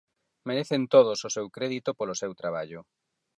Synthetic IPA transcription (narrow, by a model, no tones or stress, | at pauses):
meɾeθent̪oð̞ososewkɾeðit̪opolosewt̪ɾaβaʎʊ